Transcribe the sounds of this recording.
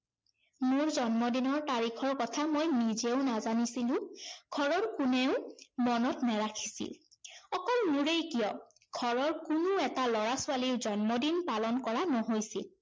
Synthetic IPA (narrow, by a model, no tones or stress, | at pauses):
mʊɹzɔnmɔdinɔɹtaɹikʰɔɹkɔtʰamojnizeʊnazanisilʊ̃ɡʱɔɹɔɹkuneʊmɔnɔtnɛɹakʰi̥sḭlɔkɔlnuɹejkijɔ | ɡ̥ʱɔɹɔɹkunʊɛtalɔɹasʊaliʊzɔnmɔdinpalɔnkɔɹanoɦojsḭl